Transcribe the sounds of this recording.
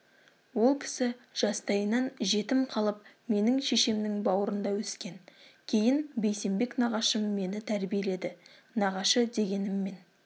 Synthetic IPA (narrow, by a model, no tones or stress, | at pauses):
wo̞lˠkʲʰɪ̥sɪʒ̥ɑst̪ɑjənɑnʒe̞t̪ɪmqʰɑlˠəp̚me̞nɪŋʃe̞ʃemnɪŋbɑwəɾənd̪ɑwɵskʲe̞ŋkʲʰe̞jɪnbe̞jse̞mbe̞knɑʁɑʃəmːe̞nɪt̪ʰæɾbije̞le̞d̪ɪnɑʁɑʃəd̪e̞ɡʲe̞nɪmːe̞n